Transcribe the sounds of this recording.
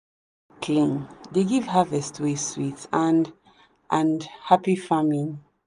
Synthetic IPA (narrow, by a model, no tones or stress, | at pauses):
kʰlĩŋdeɡivhavɛstʰweswitãnd | ʔãnhapifamĩn